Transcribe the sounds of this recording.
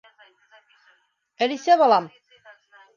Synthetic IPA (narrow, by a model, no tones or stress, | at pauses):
ælisæβɑlˠɑm